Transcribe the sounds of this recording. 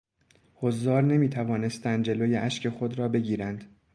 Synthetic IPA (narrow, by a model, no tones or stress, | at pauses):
hozːɒːɾne̞miːt̪ʰævɒːne̞st̪ænd̪̚d͡ʒe̞loːje̞ʔæʃcʰe̞xo̞d̪ɾɒːbe̞ɟiːɾænd̪̥